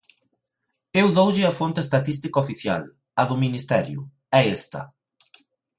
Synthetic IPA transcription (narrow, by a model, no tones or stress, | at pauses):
ewðowʎɪɐfont̪ɪːst̪at̪ist̪ikɐofiθja̰l | ɐðʊminist̪ɛɾjʊ̰ | ɛest̪ɐ̰